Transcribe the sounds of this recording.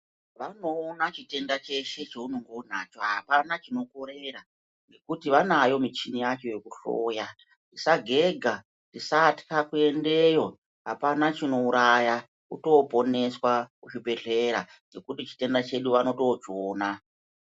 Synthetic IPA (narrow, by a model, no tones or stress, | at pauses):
ʋano̞ːnat͡ʃite̞ndat͡ʃe̞ʃe̞t͡ʃeunoŋɡoun̤at͡ʃo̞ɦa̰panat͡ʃino̞ko̞ɾe̞ra | ŋɡe̞kutiʋanajo̞mit͡ʃinijat͡ʃo̞je̞kuɬo̰ːja | tisaɡʱe̞ɡʱa | tisati̥kakue̞nde̞jo̞ | ɦapanat͡ʃino̞uɾaja | uto̞po̞ne̞swakuʃibe̞ɬe̞ɾa | ŋe̞kutit͡ʃi̥te̞ndat͡ʃe̞ɗuʋano̞to̞t͡ʃoːna